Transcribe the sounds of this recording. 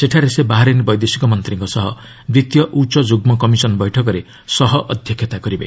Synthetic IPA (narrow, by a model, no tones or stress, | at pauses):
seʈʰaɾesebaɦaɾenibɔjd̪esi̥kɔmʌnt̪riŋkɔsʌɦʌ | bɾit̪jʌʔut͡ʃɔd͡ʒuɡmɔkʌmisʌnbʌjʈʰʌkɔɾe | sʌɦɔʔʌd̪ʱjʌkʰjet̪akʌɾibḛ